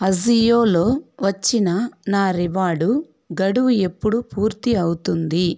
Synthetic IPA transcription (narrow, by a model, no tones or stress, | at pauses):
ɐzijoːlo̞ːʋɐt͡ʃːinɐnaːɾiʋaːɽu | ɡɐɽuʋue̞pːuɽupuːɾt̪iɐwut̪und̪i